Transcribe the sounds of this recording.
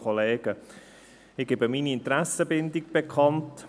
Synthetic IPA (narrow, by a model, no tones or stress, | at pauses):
oleːɡ̥ə | ɪɡ̥ebəminiɪnt̪ɾæsəbɪndiɡ̚b̥ekʰχɑnt